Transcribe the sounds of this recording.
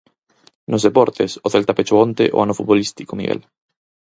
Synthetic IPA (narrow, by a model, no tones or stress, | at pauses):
nozðepɔɾt̪esoθelt̪apet͡ʃoont̪ḛʔo̰anofut̪̚βolist̪i̥komḭɣḛl